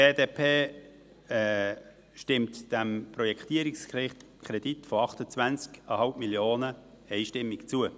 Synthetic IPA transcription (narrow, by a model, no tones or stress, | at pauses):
eːdeːpʰeː | ɛ | ʃtɪmtd̥ɛmprɔjɛkt̪iəɾɪksɪ | kʰɾɛditfoɑχtət͡svænt͡skəhɑlpmiljoːnə | ɛɪʃtɪmːɪkt͡suə